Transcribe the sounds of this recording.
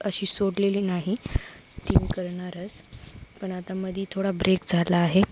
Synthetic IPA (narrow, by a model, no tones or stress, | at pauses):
əɕiːsoɽleliːnaɦit̪imikəɾɳaɾət͡spəɳat̪aməd̪ʱiːt̪ʰoɽabɾekd͡zʱalaːɦe